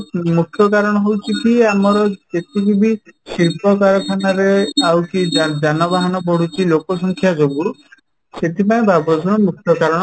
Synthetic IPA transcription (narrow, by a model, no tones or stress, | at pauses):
mukʰjɔkaɾɔɽ̃ɔɦowt͡ʃʰikiamɔɾɔd͡ʒet̪ibibikɾipɔkaɾɔkʰanaɾeawkid͡ʒad͡ʒanɔbaɦanɔbɔɽ̤ut͡ʃʰilokɔsɔŋkʰjad͡ʒobu | set̪ʰipaẽbabɾɔd͡ʒʱɔnɔmukʰjɔkaɾɔɽ̃ɔ